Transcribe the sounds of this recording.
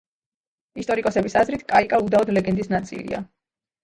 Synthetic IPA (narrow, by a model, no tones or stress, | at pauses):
ist̪ʼɔɾikʼɔsɛbisazɾit̪ʰkʼaikʼaud̪aɔd̪lɛɡɛnd̪isnat̪sʼḭlḭa̰